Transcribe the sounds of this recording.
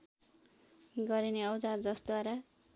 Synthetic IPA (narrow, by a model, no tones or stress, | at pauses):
ɡʌɾineʌwt͡sard͡zʌsd̪waɾa